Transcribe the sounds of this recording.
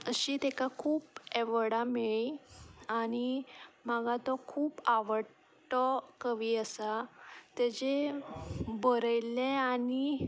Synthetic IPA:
əɕit̪ekakʰuːpeʋəɽamiɭiañimaɡat̪ɔkʰuːpaʋəɽ | ʈɔkəʋiəsat̪ad͡ʑe | bəɾəjlẽani

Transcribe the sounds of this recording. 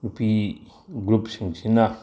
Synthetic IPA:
upi | ɡɾupsiŋsina

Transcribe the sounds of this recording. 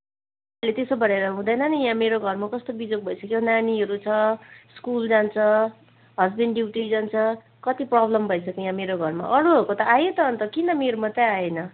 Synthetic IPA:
let̪esobʌɾeɾʌɦũd̪ʌjnʌnijãmeɾoɡʱʌrmakʌst̪obid͡zok̚bʱʌjsʌkeonaniɦʌɾut͡sʰʌskuld͡zant͡sʰʌ | ɦʌd͡zbeɳɖɖiwʈid͡zant͡sʰʌ | kʌt̪iprʌblʌmbʱʌjsʰʌkejãmeɾoɡʱʌrma̰ʔʌɾuɦʌkot̪ʌajot̪ʌːnt̪ʌkinʌmeɾomʌt̪ãajenʌ

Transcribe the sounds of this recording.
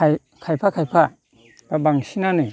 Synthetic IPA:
kʰajpʰakʰajpʰa | babaŋsinanɯ

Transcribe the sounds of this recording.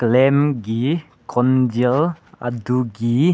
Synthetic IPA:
klɛmɡi | kʰɔndila̰duɡi

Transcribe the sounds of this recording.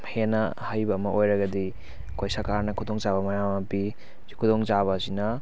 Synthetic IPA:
henɐ | hajbɐːmɐʔojɾɐɡɐdi | kʰojsɐɾkaɾnɐkʰudoŋzabɐmɐjamɐpi | zikʰudoŋzaβɐsinɐ

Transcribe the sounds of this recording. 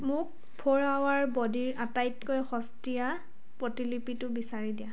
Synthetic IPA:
mʊk̚ | pʰoɹawaɹbɔdiɹatajtkojxɔstija | pɹɔtilipitʊbisaɹidija

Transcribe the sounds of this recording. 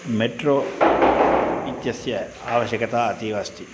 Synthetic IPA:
meʈɾoː | it̪jɐsjɐ | aːʋɐɕjɐkɐt̪aːɐt̪iʋɐst̪i

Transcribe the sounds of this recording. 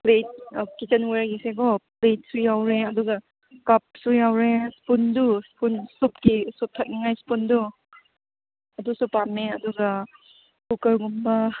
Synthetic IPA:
plejt̚kit͡ʃɐnweɾɡiseɡɔplejt̚sujawɾeɐduɡa | kap̚sujawɾespunduspunsupkisup̚tʰak̚niŋajspundu | ɐdusupːameɐduɡa | kukaɾɡumba

